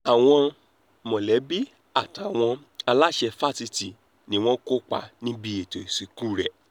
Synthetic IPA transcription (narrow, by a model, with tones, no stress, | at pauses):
a˨w̃ɔ̃˧ | mõ˨lɛ˨˦bi˦ | a˦˨ta˨˦˨w̃ɔ̃˧ | a˧la˦˨ʃɛ˧fa˦˨si˧ti˨ | nĩ˨˦w̃ɔ̃˦ko˦k͡pa̰˨nĩ˦bi˧e˨to˨i˨si˨kũ˦˨ɾɛ˨